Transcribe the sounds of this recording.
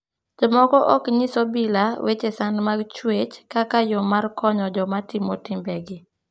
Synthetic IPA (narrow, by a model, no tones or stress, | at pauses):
d͡ʒɔmɔkɔʔɔkɲisɔbilawet͡ʃesanmaɡt͡ʃwet͡ʃkakajɔmarkʰɔɲɔd͡ʒɔmatɪmɔtɪmbɛɡɪ